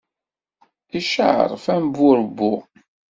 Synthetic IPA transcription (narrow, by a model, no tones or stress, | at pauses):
iʃəʕə̰ɾˤfæmbuɾəbːu